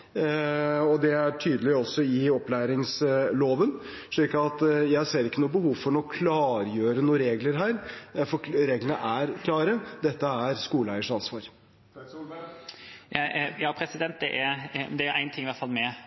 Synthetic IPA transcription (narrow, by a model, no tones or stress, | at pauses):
ɔd̪ɛæʈʰyːd̪əlɪɔsːɔɪɔplæːɾɪŋsloːʋən | ʂɭiːkɑɑt̪jæɪseːɾɪkːənuːbəhuːʋfɔɾɳɔkʰlɑːɾjøːɾənuːəɾeːɡləɾɦæːɾfɔɾeːɡlənəʔæɾkʰlɑːɾəd̪ɛt̪ːəæɾskuːləæɪəʂɑnsʋɑːɾ | jɑːpʰɾɛsɪd̪ɛnt̪̚d̪ɛʔæɾd̪ɛæɾʔæɪnt̪ʰɪŋːɪʋæt̪fɑlmɛ